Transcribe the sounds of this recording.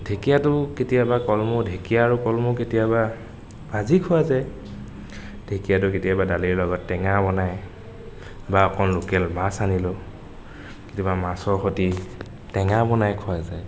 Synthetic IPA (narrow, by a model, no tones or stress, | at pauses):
dʱekijatʊketijabakɔlmɔdʱekijaːɹukɔlmʊketijaba | bazikʰʊazaj | dʱekijatʊketijabadaliɹlɔɡɔtːɛŋabɔnaj | baɔkʰɔnlʊkɛlmasanilʊ | ketijabamasɔɹxoti | tɛŋabɔnajkʰʊazaj